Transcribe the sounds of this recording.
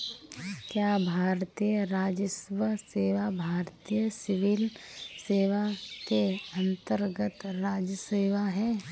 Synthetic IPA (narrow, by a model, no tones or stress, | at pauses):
kjaːbʱaːɾt̪ijəɾaːd͡ʒəswəseːʋabʱaːɾt̪ijəsɪʋɪlseːʋak̪eɐ̃nt̪əɾɡət̪ɾaːd͡ʒəseːʋaɦɛː